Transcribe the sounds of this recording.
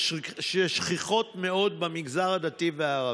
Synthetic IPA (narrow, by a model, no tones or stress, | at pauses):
ʃeʃχiχo̞t̪meo̞d̪̚bamiɡzaʁad̪at̪iveaːʁa